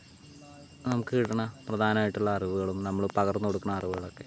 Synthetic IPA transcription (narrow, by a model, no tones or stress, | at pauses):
nɐmukːɨiʈːɐɳɐprɐd̪ʱaːnɐmaːjiʈːuɭːɐːriʋuɣɐɭumnɐmːɐɭpɐɣɐrnkoɽukːunːɐːriʋuɣɐɭo̞kːe̞